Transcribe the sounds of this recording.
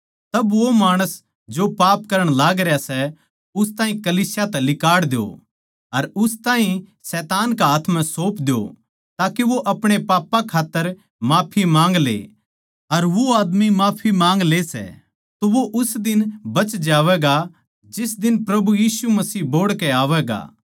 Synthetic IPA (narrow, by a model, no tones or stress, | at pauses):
t̪ɐbʋomaːɽ̃əs | d͡ʒopaːpkɐɾə̃ɽ̃laːɡɾjasɛ | ʊst̪ãːɦĩkɐliːsjat̪ɛlɪkaːɽd̪jo̰ | ɐɾʊst̪ãːɦĩsɛːt̪aːnkaɦaːt̪ʰmɛ̃soːpd̪ejo̰ | t̪aːkeʋoʔɐpɽ̃epaːpːãkʰaːt̪ːəɾ | maːpʰimãːŋɡlḛ | ɐɾʋoaːd̪mimaːpʰimãːŋɡlesɛ̰ | t̪oʋoʔʊsd̪ɪnbɐt͡ʃd͡ʒaːʋɛɡa | d͡ʒɪs̬d̪ɪnpɾɐbujiːsumɐsiːɦboːɽkɛaːʋɛːɡa̰ː